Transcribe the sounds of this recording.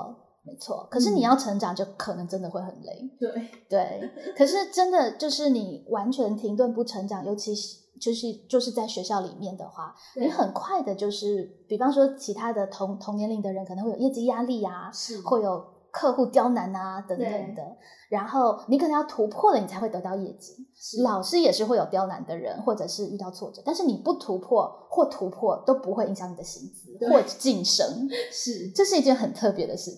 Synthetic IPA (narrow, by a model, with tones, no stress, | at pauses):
me˧˥ɪt͡sʰwɔ̰˥˩kʰɤ˨˩ʂɻ̩˥˩ni˨˩jɑ˥˩ʊʈ͡ʂʰɤ˧˥ŋʈ͡ʂɑ˨˩ŋʈ͡ʂɤ˥˩kʰɤ˨˩nɤ˧˥ŋʈ͡ʂə˥nd̪ə˨xwe˥˩ɪxə̰˨˩nlḭ˥˩˦ŋt̪we˥˩ɪkʰɤ˨˩ʂɻ̩˥˩ʈ͡ʂə˥nd̪ə˨t͡ɕjo˥˧ʊʂɻ̩˥˩ni˨˩wa˧˥nt͡ɕʰɥɛ˧˥nt̪ʰi˧˥ŋt̪wə˥˧npu˥˩ʈ͡ʂʰɤ˧˥ŋʈ͡ʂɑ˨˩˦ŋjo˧˥t͡ɕʰi˧˥ʂ̩˧˦t͡ɕjʂɻ̩˧˥t͡ɕjo˥˧ʊʂɻ̩˥˧t͡sa˥˩ɪɕɥɛ˧˥ɕjɑ˥˩ʊlḭ˨˩mjɛ˥˩nd̪ə̰˩xwa̰˥˩ | ni˧˥xə˨˩nkʰwa˥˩ɪd̪ə˩t͡ɕjo˥˧ʊʂɻ̩˥˩pi˨˩fɑ˥ŋʂ̬wɔ˥t͡ɕʰi˧˥t̪ʰa˥d̪ə˨t̪ʰʊ˧˥ŋt̪ʰʊ˧˥ŋnjɛ˧˥nli˧˥ŋd̪ə˧ɻə˧˦nk̪ʰə˧˦xwjjɛ˥˩t͡ɕi˥ja˥li˥˩a˩xwɔ˥˩jo˨˩ʊ | kʰɤ˥˧xu˥˩t̪jɑ˥ʊna˧˥nɐ˧t̪ə˧˥t̪ə˨˦ŋd̪ə˦ | ɻa˧˥nxo˥˩ʊni˧˥kə˨˩nə˧˥jɑ˥˩t̪ʰu˧˥pʰwɔ˥˩lə˨˩n˨˩t͡sʰa˧˥xwe˥˩ɪɤ˧˥t̪ɑ˥˧ʊjɛ̰˥˩t͡ɕi˥lɑ˨˩ʊʂɻ̩˥jɛ˨˩ʂɻ̩˥˧xwe˥˩ɪo˨˩ʊjɑ˥ʊna̰˧˥nd̪ə˧ɻə̰˧˥nxwɔ˥˩ʈ͡ʂɤ˨˩ʂɻ̩˥˧y˥˧t̪ɑ˥˧ʊt͡sʰwɔ˥˩ʈ͡ʂɤ˨˩˦t̪a˥˧nʂɻ̩˥˩ni˨˩pu˥˩t̪ʰu˧˥pʰwɔ˥˧xwɔ˥˩t̪ʰu˧˥pʰwɔ˥˩t̪o˥ʊpu˧˥xwe˥˩ɪi˧˥ŋɕjɑ˧˥ŋni˨˩d̪ə˦ɕi˧˥ŋt͡sɹ̩˧˥xwɔ˥˧t͡ɕi˥˩ŋʂɤ̰˥ŋ̩˥˩ | ʈ͡ʂɤ˥˧ʂɻ̩˥˧i˧˥t͡ɕɥɛ˥˧nxə˨˩nt̪ʰɤ˥˩pjɛ˧˥d̪ə̰˧ɕi˧˥